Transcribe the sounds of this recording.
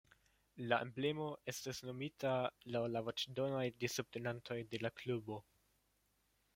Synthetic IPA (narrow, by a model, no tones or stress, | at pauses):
laʔemble̞mo̞ʔe̞stasno̞mitalawlavot͡ʃdo̞najdisup̚tenantʰo̞jde̞laklubo̞